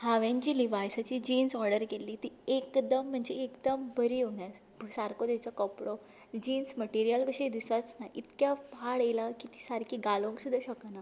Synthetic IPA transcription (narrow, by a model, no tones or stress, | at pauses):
haʋãɲt͡ɕiliʋajsat͡ɕiːd͡ʑiːnsɔɾɖəɾkelːiːt̪iːekd̪əm̤ːəɳd͡zeekd̪əmbəɾiːɦoɳja | bsaɾkod̪et͡sɔkəpɽo | d͡ʑiːnsməʈiɾijəlkəɕed̪isət͡snaʔit̪kjapaɭelakit̪i̥saɾkʰiːɡalõŋksud̪ʱːaɕəkna